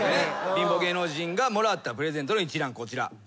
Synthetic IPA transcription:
ebʲĩmbo̞ɡe̞ːno̞ːʑĩŋɡamo̞ɾat̪ːapɯ̟ɾe̞zẽ̞nt̪onoit͡ɕiɾãŋko̞t͡ɕiɾa̰

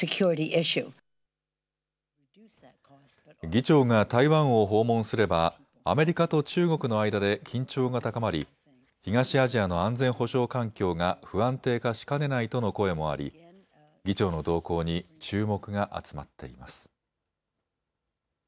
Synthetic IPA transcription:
ɨkʰj̥ʊɹɨɾiʔɪʃʉ | ɡʲit͡ɕo̞ːŋat̪aiβãɰ̃o̞ɦo̞ːmõ̞ɰ̃sɨɾe̞ba | a̰me̞ɾʲikat̪o̞t͡ɕɨːɡo̞kɯ̟no̞aid̪ad̪e̞kʲʰĩɲ̟t͡ɕo̞ːŋat̪akamaɾʲḭ | çiŋaɕiaʑiano̞ãnd͡zẽ̞ɰ̃ho̞ɕo̞ːkãŋkʲo̞ːŋaɸɯ̟ãnt̪e̞ːkaɕi̥kane̞nait̪o̞no̞ko̞e̞mo̞a̰ɾʲḭ | ɡʲit͡ɕo̞ːno̞d̪o̞ːko̞ːɲ̟it͡ɕɨːmo̞kɯ̟ɡaʔa̰t͡sɨ̥ma̰t̪ːe̞̰ḭma̰sɨ̥

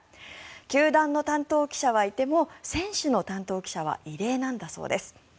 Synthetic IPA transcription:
kʲɨːd̪ãnːo̞t̪ãnt̪o̞ːkʲi̥ɕaβait̪e̞mo̞sẽ̞ɰ̃ɕɨno̞t̪ãnt̪o̞ːkʲi̥ɕaβ̞a̰ʔiɾe̞ːnãnd̪aso̞̰ːd̪e̞sɨ̥

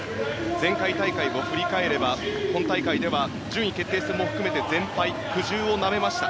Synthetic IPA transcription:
zẽ̞ŋkait̪aikaibo̞ɸɯ̟ɾʲikae̞ɾe̞bahõ̞nt̪aikaid̪e̞βa | d͡ʑɨːɲ̟ike̞t̪ːe̞ːsɨɾɯmo̞ɸɯ̟̥kɯ̟me̞t̪e̞zẽ̞mpai | ɸɯ̟ʑɨːo̞name̞maɕi̥t̪a

